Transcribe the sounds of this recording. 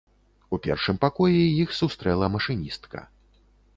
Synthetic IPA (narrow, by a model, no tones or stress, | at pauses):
upʲɛ̰rʂɨmpakɔjɛjixsust̪ɾɛlˠɐmɐʂɨnʲist̪kɐ̰